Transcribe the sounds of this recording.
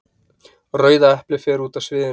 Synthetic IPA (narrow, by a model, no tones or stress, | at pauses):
rœːɥðaɛhplɪfɛːɾuːt̪asvɪːðɪ